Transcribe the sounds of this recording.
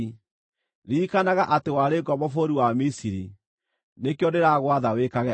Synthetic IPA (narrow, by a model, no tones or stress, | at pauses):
ɾiːkanaɣaʔatewaɾeɡɔmɔfoɾiwamisiɾi | nekeɔdɛɾaɣwaðawekaɣɛ